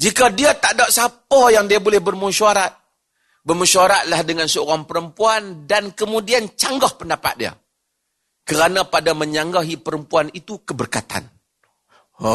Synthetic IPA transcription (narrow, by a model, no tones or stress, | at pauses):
d͡ʒikadiat̪aʔdaʔsapɔjaŋdiabolɛhbərmuʃuaɾat̪̚ | bərmuʃuaɾat̪̚lahdəŋansəoɾaŋpəɾəmpuandankəmudiant͡ʃaŋɡɔhpəndapa̰t̪̚dia̰ | kəɾanãpadaməɲaŋɡaɦipəɾəmpuanit̪ukəbərkat̪a̰n